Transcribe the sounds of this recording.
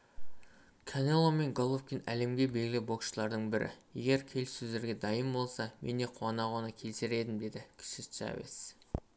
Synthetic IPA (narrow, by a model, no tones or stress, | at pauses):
kʰanelˠome̞ŋɡolˠofkʲinæ̰le̞mɡʲe̞be̞lɡʲɪlʲɪbo̞kʃəlˠɑɾd̪əɴbɪɾʔɪ̰je̞̰ɡʲe̞ɾkʲʰe̞lsɵzd̪e̞ɾɡʲe̞d̪ɑjəmbo̞lˠsɑmʔe̞̰ne̞qʰuɑnɑʁɑnəkʲʰe̞lsɪɾe̞d̪ɪmd̪e̞d̪ɪkʲʰɪ̥ʃɪst͡ʃa̰vḭs